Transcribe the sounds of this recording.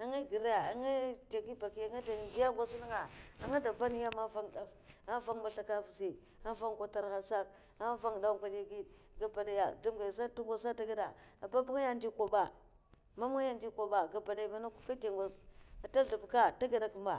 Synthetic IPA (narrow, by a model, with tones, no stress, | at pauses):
a˨ŋa˦ɡi˨ɾa˦ja˨a˨ŋa˦te˨ɡi˦ba˨ki˨ja˨ŋa˦da˨nd͡ʒi˦ja˦ɡʷa˦si˦ni˦ŋa˨a˨ŋa˦da˨ba˦ni˦ja˦ma˦va˦ŋ˨da˨va˦va˦ŋma˨ɬa˨ka˦vi˨si˨ | a˦va˦ŋkʷa˨ta˨ɾxa˨sa˦k | a˦va˦ŋ˨da˦kʷa˨di˦ɡi˦d | ɡa˨ba˨da˨ja˨du˦mɡa˨sa˦ta˦ŋɡʷa˦˨sa˦ta˦ɡa˦da˨a˨ba˦bŋa˦ja˦ndi˦kʷo˨ba˦˨ | ma˦m˦ŋa˦ja˦ndi˦kʷo˨ba˨ɡa˨ba˨da˨ma˨˦na˦ku˦ka˦te˨ŋɡʷa˨sa˨ta˦ɬu˨bka˦ta˦ɡa˨da˨ku˨ma˨